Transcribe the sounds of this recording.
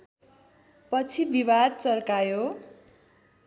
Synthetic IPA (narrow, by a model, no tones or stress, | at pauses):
pʌt͡sʰibibad̪̚t͡sʌrkajo